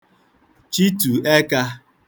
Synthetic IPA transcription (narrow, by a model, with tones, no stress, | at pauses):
t͡ʃi˦tu˨e˦ka˦